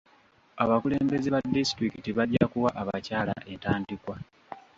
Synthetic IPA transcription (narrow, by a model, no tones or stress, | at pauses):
aβakule̞ːmbe̞zeβadistɾikitiβaɾɟakuwaʔaβacaːla̰ʔe̞ntaːndikwa